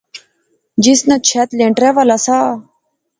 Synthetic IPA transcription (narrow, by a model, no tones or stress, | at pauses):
d͡ʒɪsnət͡ʃʰɛt̪lẽːɳʈɾɛːʋaːlasaː